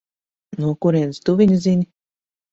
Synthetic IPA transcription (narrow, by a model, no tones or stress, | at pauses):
nuɔkuɾiɛnst̪uvʲiɲʲzʲinʲi